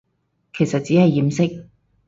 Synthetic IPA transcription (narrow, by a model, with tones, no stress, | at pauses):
kʰe˨˩jsɐ˨t̚t͡siː˨˥hɐ˨jːiː˨msɪ˥k̚